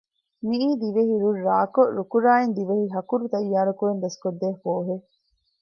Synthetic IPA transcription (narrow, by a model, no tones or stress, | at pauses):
miiːd̪iʋeɦiɾuɾːaːkoɾukuɾaːend̪iʋehiɦɐkuɾut̪ɐjːaːɾɐkuɾend̪ɐskod̪ːeːfoːɦe